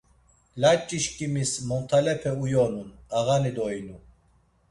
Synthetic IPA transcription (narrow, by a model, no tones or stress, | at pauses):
lat͡ʃʼːiʃkʼimismɔnt̪ʰalɛpʰɛujɔnunaɣanid̪ɔjnu